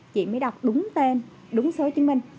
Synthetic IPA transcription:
t͡ɕḭ˧˨məː˨˦jɗa˨˩wk͡p̚ɗʊ˨˦ŋ͡mt̪e˧n | ɗʊ˨˦ŋ͡msəː˨˦t͡ɕɨ˨˦əmï˧˩ŋ̟

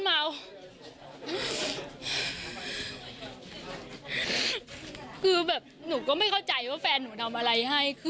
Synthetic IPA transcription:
ma˧w | kʰɯː˧bɛː˨˩p̚nuː˩˦kɔː˥˩ma˥˩jkʰa˥˩wt͡ɕa˧jwaː˥˩fɛː˧nːuː˩˦t̪ʰa˧mʔa˧ɾa˧jɦa˥˩jkʰɯ˧

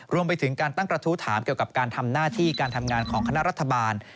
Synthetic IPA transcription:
ɾu˧əmpa˧jt̪ʰɯ˩˦ŋkaː˧nt̪a˥˩ŋpɾa˧t̪ʰu˦˥t̪ʰaː˩˦mki˨˩əwka˨˩p̚kaː˧nt̪ʰa˧mnaː˥˩t̪ʰiː˥˩kaː˧nt̪ʰa˧mŋaː˧nkʰɔː˩˦ŋkʰa˧na˦˥ʔɾa˦˥t̪ʰːa˧baː˧n

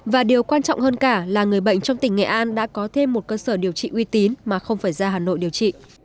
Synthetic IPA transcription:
vaː˨˩ɗi˨˩əwkwaː˧nt͡ɕɔ̰˧˨wŋ͡mhəː˧nkaː˧˩laː˨˩ŋɨ˨˩əjɓə̰˧˨jŋ̟t͡ɕɔ˧wŋ͡mt̪ï˧˩ŋ̟ŋɛ̰˧˩ʔaː˧nɗa̰ː˧˥kɔ˨˦t̪ʰe˧mːo˨˩t̚kəː˧səː˧˩ɗi˨˩əwt͡ɕḭ˧˨ʔwi˧t̪i˨˦nmaː˨˩xə˧wŋ͡mfaː˧˩jzaː˧ɦaː˨˩no̰˧˨jɗi˨˩əwt͡ɕḭ˧˨

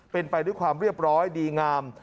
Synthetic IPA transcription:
pe˧npa˧jdu˥˩əjkʰwaː˧mɾi˥˩əp̚ɾɔː˦˥jdiː˧ŋaː˧m

